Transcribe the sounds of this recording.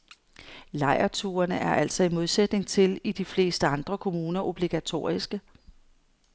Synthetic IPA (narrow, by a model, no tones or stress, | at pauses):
lɑ̈ɪɐt͡sʰuːɐnəʔæɐʔæl̰sɒ̽imo̝ð̞ˠsed̥ne̝ŋt͡sʰe̝lid̥ifle̝̰ːsd̥əɑ̈nd̥ʁɐkʰo̝muːnɐʔo̝b̥liɡ̥æt͡sʰo̝̰ːisɡ̥ə